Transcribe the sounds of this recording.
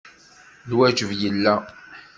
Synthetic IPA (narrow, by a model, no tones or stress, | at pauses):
lwæd͡ʒəvjəlːæ